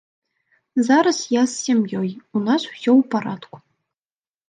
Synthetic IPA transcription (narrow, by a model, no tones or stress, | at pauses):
zɑɾasjɑsːʲemʲjojunɑsu̥sʲowpaɾɑt̪kʷu̥